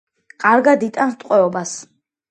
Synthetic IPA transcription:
kʼaɾɡad̪it̪ʼanst̪ʼqʼwɛɔbas

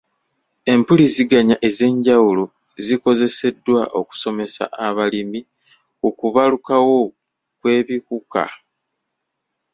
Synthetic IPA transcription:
e̞mpuliziɡaɲaʔe̞ze̞ːɲɟawulo | ziko̞ze̞se̞dːwaʔo̞ku̥so̞me̞sa̰ʔaβalimi | ukuβalukawo̞ | kwe̞ːβikuka̰

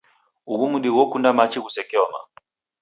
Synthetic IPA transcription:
uɣumuɗiwɔkundamat͡ʃiɣusɛkɛɔma̰

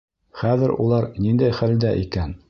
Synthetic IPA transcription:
χæðɘɾṵlˠɑɾnind̪æjχæld̪æʔikæn

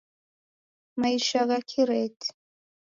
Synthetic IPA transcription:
majʃaɣakʲʰiɾejtʰʼ

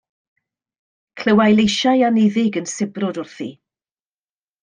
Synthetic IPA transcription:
kʰl̥əwajlˠejʃajanɪðɪɡənsɪbrɔdʊrθḭ

